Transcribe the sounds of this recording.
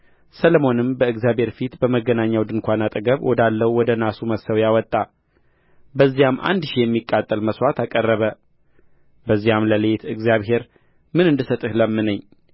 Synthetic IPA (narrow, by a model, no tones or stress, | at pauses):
sələmo̞nɨmbəɨɡzijaβhe̞ɾfit̪bəməɡənaɲːawd̪ɨnkʷanat̪ʼɨəɡəβwʔɔd̪alːəwwɔd̪ənasuməsəwjawɔt̪ʼːa | bəzːijamʔa̰nd̪ʃijɛmːikʼːat̪ʼːəlməswat̪akʼərːəβə | bəzːijamləlet̪ʰɨɡzijaβɦe̞ɾ | mɨnɨnd̪ɨsət̪ʼɨhləmːɨnəɲː